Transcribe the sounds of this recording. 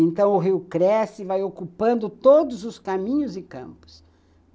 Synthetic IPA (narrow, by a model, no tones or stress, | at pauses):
ẽnt̪ɐ̃w̃ʊɦiwkɾɛsɪvajokupɐ̃nd̪ʊt̪od̪ʊzʊskamĩɲʊzɪkɐ̰̃mpʊ̥s